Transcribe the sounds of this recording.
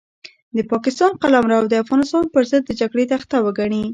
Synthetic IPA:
d̪əpɑkɪst̪ɑnqalamɾaːwd̪əafɣɑnɪst̪ɑnpəɾzəd̪ːəd͡ʒaɡɽet̪axt̪awəɡaɳi

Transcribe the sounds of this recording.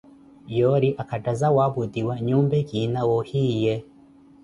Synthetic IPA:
jɔɾiʔakadazawabudiwaɲuːmbɛɡinawɔhije

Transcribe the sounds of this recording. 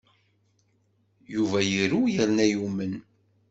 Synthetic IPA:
juvæjiɾujəɾnæjumən

